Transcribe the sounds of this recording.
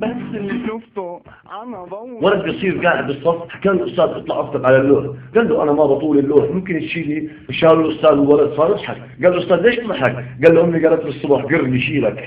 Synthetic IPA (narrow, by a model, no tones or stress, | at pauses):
walad̪̚bɑsˤiːɾɡaːʕɪd̪̚bɨsˤːɑfħakaːnɪlʔʊst̪aːd̪ʔɨt̪ˤlɑʕʔɑft̪ɑqʕalalːoːħɡalːuʔanamabɑt̪ˤuːlɪlːoːħmʊmkɪnt̪ʃiːni | ʃaːlɪlʔʊst̪aːd̪ɪlwalad̪sˤɑːɾˤʔɑtˤħak | ɡaːlɪlʔʊst̪aːd̪leːʃt̪ˤlɑħakɡaːlːʔʊmːiɡaːlat̪bɨsˤːʊbɑħɡɪrːliʃiːlak